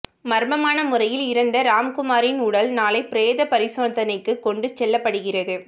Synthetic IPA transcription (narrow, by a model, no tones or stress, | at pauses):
mɐɾmɐmaːnɐmʊrɐjɪlɪɾɐnd̪ɐɾaːmkʊmaːɾɪnʊɽɐlnaːlɐɪpɪɾeːðɐpɐɾɪsoːnd̪ɐnɐɪkːɯkːɔɳɖɯt͡ʃɛlːɐpːɐɽɯɣɪrɐðɯ